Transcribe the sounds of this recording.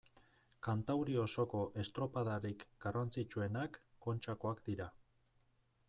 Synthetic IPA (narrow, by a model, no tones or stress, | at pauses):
kant̪awɾio̞so̞ko̞ʔe̞st̪ɾo̞pað̞aɾikɡ̥arant͡sit͡ʃue̞nakːo̞nt͡ʃako̞akd̪iɾa